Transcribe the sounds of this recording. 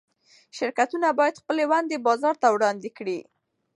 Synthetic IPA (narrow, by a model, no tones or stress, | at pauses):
ʃɪɾkat̪unabɑjad̪xpəlewand̪ebɑzɑɾt̪awɽɑnd̪ɪkɽi